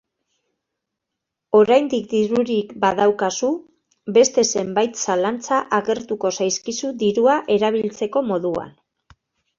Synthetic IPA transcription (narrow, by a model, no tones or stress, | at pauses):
o̞ɾajnd̪ikd̪iɾuɾikbaðawkasu | be̞st̪e̞se̞mbajt̪salant͡saʔaɣe̞ɾt̪uko̞sajskisud̪iɾuaʔe̞ɾaβ̞ilt͡se̞ko̞mo̞ðua̰n